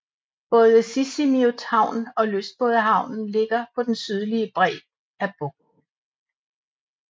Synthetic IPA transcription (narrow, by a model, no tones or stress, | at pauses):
b̥ɔ̽ːð̞ˠəsisimiot͡sʰhɑ̈ʊ̰nɒ̽løsd̥̚b̥ɔ̽ːðˠəɦɑ̈ʊ̰nn̩le̝ɡ̥ɐpʰɒ̽d̥ensyð̞ˠliəb̥ʁɛ̰ː | æb̥ɔ̽ɡ̥̚